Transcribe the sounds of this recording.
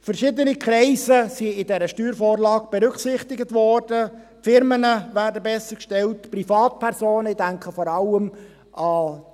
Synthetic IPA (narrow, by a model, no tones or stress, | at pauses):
fəɾʃɪdənikʰɾɛɪzəsiɪdɛɾəʃtyːɾfoːrlɑːɡ̥b̥ɛɾʏkχsɪχtɪɡətvɔːrd̥ə | fɪɾmənəvæːɾdəbɛsəkʃtɛltprifɑːt̚pʰɛɾsoːnəɪdæŋkʰəfɔɾɑlːəm | ʔɑ